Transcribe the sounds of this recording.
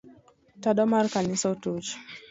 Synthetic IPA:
taɗɔmaɾkanisautut͡ʃ

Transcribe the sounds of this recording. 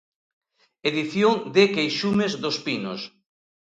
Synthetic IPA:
eðiθjoŋd̪ɪkejʃumezðospino̰s

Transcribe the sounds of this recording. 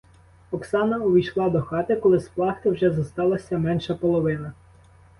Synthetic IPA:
ɔksɑnɐɔʋʲijʃlˠɑd̪ɔxɑt̪ɪkɔlˠɪsplˠɑxt̪ɪwʒɛzɐst̪ɑlˠɐsʲɐmɛnʃɐpɔlˠɔʋɪnɐ

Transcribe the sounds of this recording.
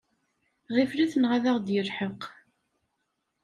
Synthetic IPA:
ʁifliθnʁaðæʁd̪jəlħəq

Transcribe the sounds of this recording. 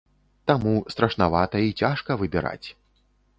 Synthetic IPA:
t̪amust̪ɾɐʂnavat̪ɐit͡sʲaʂkɐvɨbʲɛɾa̰t͡sʲ

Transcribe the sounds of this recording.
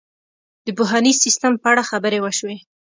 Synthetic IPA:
d̪̥əbʊɦɑnizsist̪əmpəaɽaxabəɾewəʃwe

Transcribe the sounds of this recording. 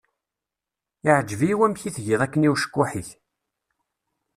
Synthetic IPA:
ɪʕəd͡ʒːviwæmçiθʝiðˤækːəniwʃə̥kːʊħiθ

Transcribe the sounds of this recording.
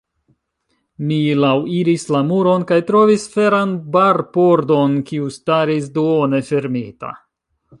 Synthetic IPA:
milawiɾislamuɾo̞nkajtɾo̞visfe̞ɾanbaɾpo̞ɾdo̞nkiustaɾis̬duone̞fe̞ɾmita̰

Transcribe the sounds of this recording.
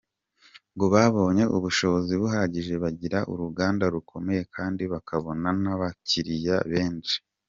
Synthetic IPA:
ŋɡoβaβo̞ːɲe̞ʔuβuʃo̞βo̞ziβuɦaɾaɟiʒe̞βaɟiɾaʔṵɾuɡaːndaɾukʰo̞me̞je̞kʰaːndiβakaβo̞nanaβaciɾija̰βe̞ːnt͡ʃi̥

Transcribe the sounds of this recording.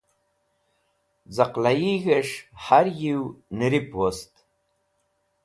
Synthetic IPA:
d͡zaqlajiɣɐʂħaɾjiwnɨɾipʰwost̪ʼ

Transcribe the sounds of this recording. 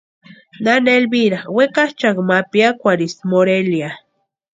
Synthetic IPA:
nanelbiɾawekaht͡ʃakmapjakʷaɾismoɾelja

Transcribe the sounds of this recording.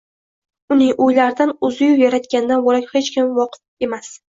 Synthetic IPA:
ʊnɪŋojlaɾɪd̪anʊzɪjʊpjaɾat̪ɡʲand̪anboɾakʲhe̞t͡ʃkʲʰɪmvɒqʰɨ̥t̪̚e̞mas

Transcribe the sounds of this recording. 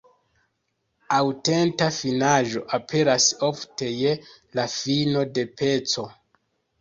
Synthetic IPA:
awte̞ntafinaʒo̞ʔapʰe̞ɾaso̞fte̞je | lafino̞de̞pe̞t͡so̞

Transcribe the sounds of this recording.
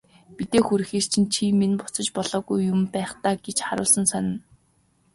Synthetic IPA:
pit̪eːxuɾɘ̆xeːst͡ɕʰĭnt͡ɕʰimenpʊ̥t͡sɞ̆t͡ɕpɔɮɔːɣujːʊmpæːχt̪aːɡet͡ɕχaɾʊ̰ːɮsə̆nsanɪ̆n

